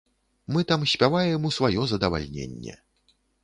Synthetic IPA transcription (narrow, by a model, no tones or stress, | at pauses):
mɨt̪amsʲpʲavajɛmusvajɔzɐd̪ɐva̰lʲnʲḛnʲːɛ̰